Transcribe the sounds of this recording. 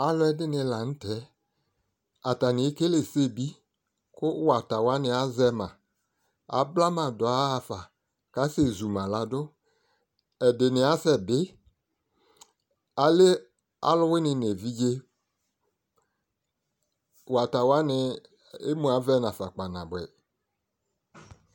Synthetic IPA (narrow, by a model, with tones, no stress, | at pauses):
a˨lʊ˦ɛ˦dɪ˦nɪ˨la˨n̩˦tɛ˨˦ | a˨ta˨nɪ˨e˦ke˦le˨se˦˨bi˦ | kʊ˦wa˨ta˨wa˦nɪ˨a˦zɛ˦mã˨ | a̰˨bla˦mã˨dʊ˨a˦a˨fa˨ | ka˦se˦˨zu˨mã˨la˨dʊ˦ | ɛ˨dɪ˨nɪ˨a˦sɛ˨bɪ˦ | a˨le˦ | a̰˦lʊ˦wɪ˦nɪ˨n˨e˨vi˦d͡ʒe˦ | wa˨ta˨wa˦nɪ˦ | e˦mũ˨a˨˦vɛ˦nã˨fa˨k͡pa˨nã˨bɛ̰˨